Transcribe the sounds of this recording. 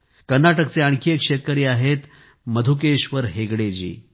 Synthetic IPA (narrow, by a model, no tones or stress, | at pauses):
kəɾnaʈəkt͡seaɳkʰiekʂet̪̚kəɾiːaɦet̪ | məd̪ʱuk̬eɕʋəɾɦeɡɽed͡ʑḭː